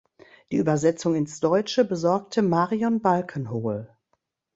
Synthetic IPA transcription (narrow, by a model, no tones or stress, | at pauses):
d̥iːʔyːbɐzɛt͡sʊŋɪnsd̥ɔʏt͡ʃəbəzɔɐk̚tʰəmaːʁiɔnbalkʰənɦoːl